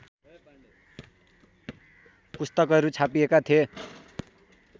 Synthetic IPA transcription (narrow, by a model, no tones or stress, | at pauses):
pust̪ʌkʌɾut͡sʰapiekat̪ʰie